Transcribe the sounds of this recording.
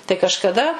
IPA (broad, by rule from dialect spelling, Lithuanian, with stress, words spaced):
tɐɪ kɐʃkɐˈdɐ